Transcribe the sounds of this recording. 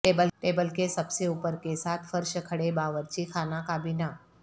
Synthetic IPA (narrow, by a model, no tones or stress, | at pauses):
ʈeːbəlʈeːbəlkesəbseupəɾkesat̪ʰfəɾʃəkʰəɽebaːʋəɾt͡ɕikʰanakabina